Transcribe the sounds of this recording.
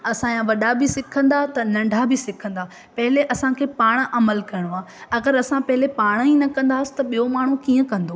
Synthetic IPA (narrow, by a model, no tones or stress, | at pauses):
ɐsãjãʋɐɗabʱɪsɪkʰə̃nd̪at̪ɐnɐ̃ɳɖʱabʱɪsɪkʰə̃nd̪aː | pɐɦɪleʔɐsãkʰeːpaːɽ̃ʔɐməlkɐɪɽ̃oaː | ɐɡəɾɐsãpɐɦɪlepaːɽ̃inɐkɐ̃nd̪aːsɪ̥t̪ɐɓijomaːɳ̤ukiːə̃kɐ̃nd̪oː